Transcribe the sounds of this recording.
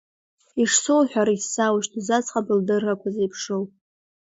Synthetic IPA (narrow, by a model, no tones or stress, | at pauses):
iʂso̞wħʷᶣaɾaisːawʃtʰuzat͡sχabɨldɨrːakʷʰazejpʰʂowpʼ